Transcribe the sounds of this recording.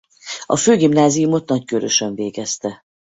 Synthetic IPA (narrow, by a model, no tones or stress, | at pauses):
ɒ̰føːɡimnaːzijumo̞t̪nɒckøɾøʃøɱveːɡɛst̪ɛ